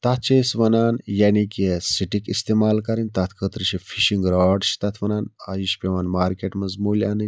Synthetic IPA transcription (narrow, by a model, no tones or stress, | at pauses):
t̪ɐt̪̚ʰt͡ʃesʋɐnaːnjaːnikʲesiʈikist̪eːmaːlkɐɾinʲt̪ɐt̪ʰkʰət̪ɾiʃʰifʰiʃiŋɡɾaːɖʃi̥t̪ɐt̪ʰʋɐnaːnajiʃpʲeʋɐnmaːɾkʲeʈmɐzmuːlʲaːnɨ